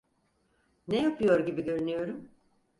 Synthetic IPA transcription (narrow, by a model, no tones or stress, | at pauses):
nejapʰɯjo̞ɾɟibiɟø̞ɾynyjo̞ɾum